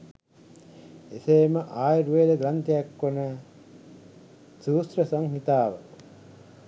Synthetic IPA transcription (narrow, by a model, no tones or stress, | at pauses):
eseːməʔaːjɾuʋeːd̪əɡɾant̪ejakːonə | suːsɾəsaŋɦit̪aːʋə̰